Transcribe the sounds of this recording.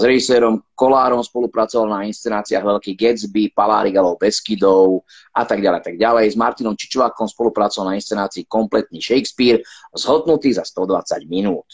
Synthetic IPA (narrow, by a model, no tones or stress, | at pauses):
zɾɛʒisɛːɾɔmkɔlaːɾɔmspɔlupɾat͡sɔʋalnainst͡sɛnaːt͡siaɣʋɛʎkiɡɛd͡zbipala̰ːɾiɡalɔʊb̪ɛskid̪ɔʊ | ʔat̪aɡɟalɛjat̪aɡɟalɛjzmaɾt̪inɔmt͡ʃi̥t͡ʃʋaːkɔmspɔlupɾat͡sɔʋalnainst͡sɛnaːt͡siːkɔmplɛt̪̚niːʃɛjkspiːɾzɦɔd̪nut̪iːzast̪ɔd̪ʋat͡sa̰ɟminuːt̪